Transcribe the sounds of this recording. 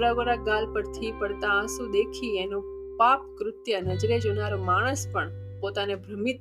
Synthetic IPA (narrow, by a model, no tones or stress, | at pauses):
ɾaɡoɾaɡalpəɾt̪ʰipəɽt̪ãə̃sũd̪ekʰienũ | pap̚kɾʊt̪jənəd͡ʒɾed͡ʒonaɾomaɽ̃əspəɳ | pot̪anebʱɾəmit̪